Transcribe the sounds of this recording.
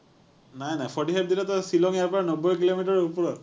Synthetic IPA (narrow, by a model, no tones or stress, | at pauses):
najnajpʰɔɹʈiɦap̚d̪ilat̪ɔsilɔŋjaɹpaanɔbːɔjkilomiʈɔɹupɔɹɔ